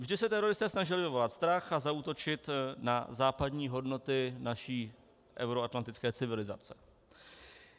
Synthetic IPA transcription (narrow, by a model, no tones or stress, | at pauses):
vʒdɪsɛt̪ɛɾo̞ɾɪst̪ɛːsnaʒɪlɪvɪvo̞lat̪st̪ɾaxazauːt̪o̞t͡ʃɪt̪na̰zaːpadɲiːɦo̞dno̞t̪ɪnaʃiː | ʔɛ̰wɾoat̪lant̪ɪt͡skɛːt͡sɪvɪlɪza̰t͡sɛ̥